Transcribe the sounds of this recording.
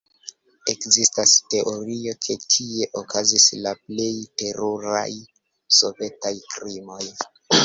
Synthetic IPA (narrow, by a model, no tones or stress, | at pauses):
e̞kzistaste̞ʔo̞ɾio̞kʰe̞tʰie̞ʔokʰazislaple̞jte̞ɾuɾa̰j | so̞̰ve̞tajkɾimo̞j